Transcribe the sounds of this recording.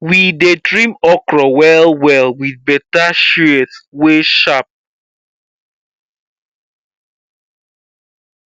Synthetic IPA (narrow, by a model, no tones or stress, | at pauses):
widedɹĩmɔkɹɔwɛlwɛlwiðbɛtaʃuɛθweʃap̚